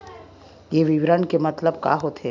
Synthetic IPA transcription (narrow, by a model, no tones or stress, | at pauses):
jeʋɪʋɾənkemɐt̪ləb̚ka̰ɦot̪e